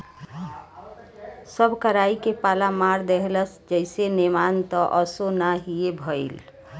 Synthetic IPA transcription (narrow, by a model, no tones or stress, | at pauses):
səbʱkəɾaikepalamaɾd̪eɦləsd͡ʒəɪsenemant̪ɔʔəsonaɦiebʱəɪl